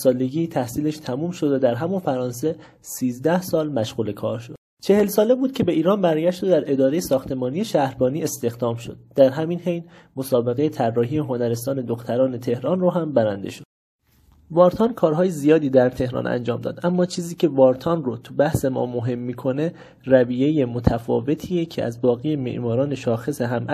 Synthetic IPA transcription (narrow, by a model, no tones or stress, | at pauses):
sɒːle̞ɟiːt̪ʰæhsiːleʃt̪ʰæmuːmʃo̞d̪æd̪æɾɦæmunfæɾɒːnse̞ | siːzd̪æhsɒːlmæʃɣuːle̞kʰɒ̰ːɾʃo̞d̪̥t͡ʃʰe̞he̞lsɒːle̞buːd̪̚cʰe̞be̞iːɾɒːnbæɾɟæʃt̪ed̪æɾe̞d̪ɒːɾe̞jesɒːxt̪ʰe̞mɒːnije̞ʃæhɾbɒːniːest̪e̞xd̪ɒːmʃo̞̰d̪̥̚ːæɾɦæminhejn | mo̞sɒːbe̞ɣe̞jet̪ʰærːɒːɦijeɦo̞næɾe̞st̪ɒːne̞d̪oxt̪ʰæɾɒːne̞t̪ʰe̞hɾɒːnroɦæmbæɾænd̪e̞̰ʃod̥̪̚ | vɒːɾt̪ʰɒnkʰɒːɾɦɒːjezijɒːd̪iːd̪æɾt̪ʰe̞hɾɒ̰nʔæ̰nd͡ʒɒ̰ːmd̪ɒ̰ːd̪ʔæmːɒːt͡ʃʰiːziːcʰe̞vɒːɾt̪ʰɒnrot̪ʰubæhse̞mɒ̰ːmoɦe̞mːiːkʰo̞ne̞ | ræviːje̞je̞mot̪ʰæfɒ̰ːve̞t̪ʰiːecʰeʔæ̰zbɒːɣijeme̞̰ʔmɒːɾɒːne̞ʃɒːxe̞seɦæmʔ